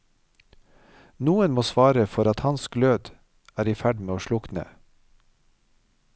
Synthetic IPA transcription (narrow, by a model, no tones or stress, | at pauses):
nuːənmoːsʋɑːɾəfɔɾɑt̪hɑnsɡløːd̪ | æːɾiːfæɖmeːoːʃlʊknə̰